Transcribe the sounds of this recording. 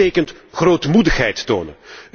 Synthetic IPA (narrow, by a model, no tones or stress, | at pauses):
eːkəntχroːtmudəxɦɛjtːoːnə̰n